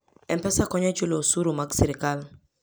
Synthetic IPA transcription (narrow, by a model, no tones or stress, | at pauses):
ɛmpɛsakɔɲɛt͡ʃulosuɾumaksiɾɪkal